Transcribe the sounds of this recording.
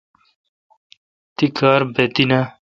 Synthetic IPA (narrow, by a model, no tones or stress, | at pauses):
t̪ikʰaːɾbet̪inɐ